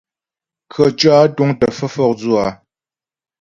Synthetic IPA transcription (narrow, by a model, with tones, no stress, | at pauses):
kʰə˨t͡ʃwa˦tu˦ŋtə˨fə˦fɔ˦k̚d͡zu˦˨a˨